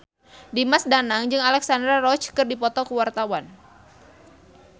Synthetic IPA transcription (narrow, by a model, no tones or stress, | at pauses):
dimasdanaŋd͡ʒɨŋalɛksandɾarɔt͡ʃkɨrdipɔt̪ɔkuwart̪awan